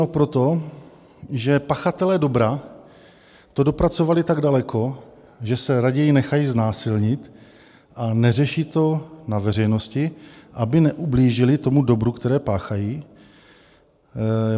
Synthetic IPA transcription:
opɾot̪o̞ | ʒɛpaxat̪ɛlɛːdo̞bɾa | t̪o̞do̞pɾat͡so̞valɪt̪aɡdalɛkʰo̞ | ʒɛsɛɾaɟɛjɪnɛxajiznaːsɪlɲɪt̪ | ʔanɛrɛʃiːt̪o̞navɛr̝ɛjno̞scɪʔabɪnɛʔubliːʒɪlɪt̪o̞mudo̞bɾukt̪ɛɾɛːpaːxajiː

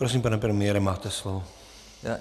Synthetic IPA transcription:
pɾos̬impanɛpɾɛmɪjɛɾɛmaːt̪ɛslɔʋo | ja̰

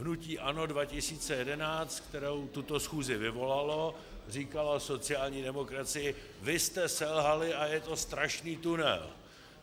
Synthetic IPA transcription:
ɦnuciːʔano̞dvacɪsiːt͡sɛjɛdɛnaːt͡st̪k̚t̪ɛɾowt̪ut̪o̞sxuːzɪvɪvo̞lalo̞ | r̝iːkalaso̞t͡sɪaːlɲiːdɛmo̞kɾat͡sɪjɪ | vɪst̪ɛsɛlɦalɪʔajɛt̪o̞st̪ɾaʃniːt̪unɛ̰l

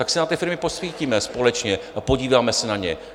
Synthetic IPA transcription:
t̪aksɛnat̪ɪfɪɾmɪposv̥iːciːmɛspo̞lɛt͡ʃɲɛʔapo̞ɟiːvaːmɛsɛnaɲɛ̰

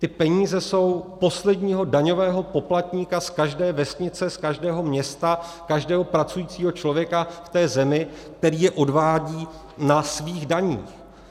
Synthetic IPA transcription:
t̪ɪpɛɲiːzɛso̞wpo̞slɛdɲiːɦo̞daɲo̞vɛːɦo̞po̞plat̪ɲiːkaskaʒdɛːvɛsɲɪt͡sɛskaʒdɛːɦo̞mɲɛst̪a | kaʒdɛːɦo̞pɾat͡sujiːt͡siːɦo̞t͡ʃlo̞vjɛkaft̪ɛːzɛmɪk̚t̪ɛɾiːjɛʔo̞dvaːɟiː | nasviːɣdaɲḭːx

